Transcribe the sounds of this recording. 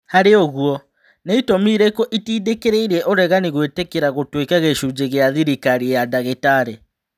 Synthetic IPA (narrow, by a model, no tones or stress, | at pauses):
haɾeɔɣuɔ | neitomiːɾekɔʔitiːdekeɾeiɾɛʔoɾɛɣaniɣwetekeɾaɣotwekaɣeʃud͡ʑeɣeaðiɾikaɾijadaɣetaɾe